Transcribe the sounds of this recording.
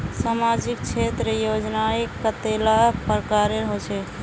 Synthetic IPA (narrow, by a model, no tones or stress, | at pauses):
samad͡ʒik̚t͡ʃʰet̪ɾəjod͡ʒnaekət̪elapəɾkaɾeɦot͡ʃʰɛ